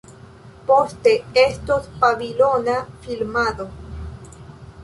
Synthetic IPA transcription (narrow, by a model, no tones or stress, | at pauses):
post̪eest̪ospaβilonafilmaðo